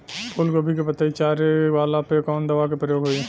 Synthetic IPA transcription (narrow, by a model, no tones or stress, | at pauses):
pʰʊlkobʱikopɐt̪aːit͡ʃaːɾeʋaːlapekɔːnd̪ɐʋak̬epɾəjoːɡɦoi